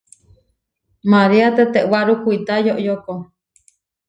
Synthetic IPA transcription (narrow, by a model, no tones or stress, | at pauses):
maɾiat̪et̪eʔwaɾukuit̪ajoʔjoko